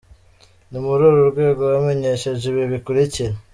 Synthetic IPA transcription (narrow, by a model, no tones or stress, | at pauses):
numuɾuːɾuɾɡwe̞ːɡoβameɲe̞ʃeʒiβiβikuɾiciɾe